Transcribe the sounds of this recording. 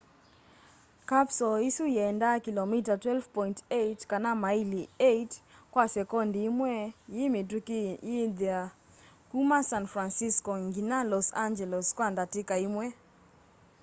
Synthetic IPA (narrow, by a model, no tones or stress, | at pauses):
kapsɔisujɛndakilɔmitatwɛlvpɔintetkanamailietkwasɛkɔndimwɛjimitukiida | kumasanfɾansiskɔŋɡinalɔsand͡ʒɛlɔskwandatikaimwɛ